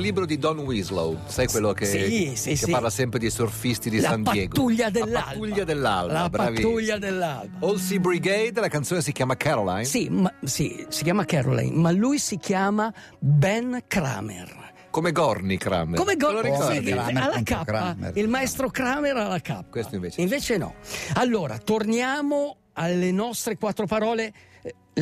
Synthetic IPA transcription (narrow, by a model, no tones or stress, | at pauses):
lːiːbɾod̪id̪ɔnwizlo̰wd̪sajkwelːokesiseaɾlasɛmpɾed̪isorfist̪id̪isaand̪pajtɛːɡ̪uʎːad̪elːaaluʎːad̪elːa̰llabɾpaavtiuʎːad̪elːalbaolsibɾiɡejd̪lakant̪soːnesikjaːmakʰɛɾolajnsimasḭsikjaːmakɛɾo̰la̰jnmalujsikjaːma | bɛnkɾa̰ːmḛr | komeɡɔrnikɾa̰mekomeɡɔloaalːakappːa̰ilmaɛst̪ɾokɾaːmeɾalːaka̰pːkwest̪oiɱveːt͡ʃiɱveːt͡ʃenɔ̰alːoːɾa̰t̪ornjaːmo | alːenɔst̪ɾekwat̪ːɾopaɾɔːle